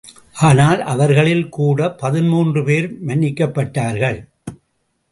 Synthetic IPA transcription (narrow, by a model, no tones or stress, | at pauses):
ʔaːnaːlʔɐʋɐɾɣɐɭɪlkuːɽɐpɐðɪnmuːndrɯpeːɾmɐnːɪkːɐpːɐʈːaːɾɣɐɭ